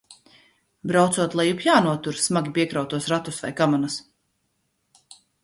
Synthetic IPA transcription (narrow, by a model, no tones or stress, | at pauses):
bɾawt̪suɔt̪lˠajupjaːnuɔt̪uɾsmaɡʲipiɛkɾawt̪uɔsɾat̪usva̰jkamanas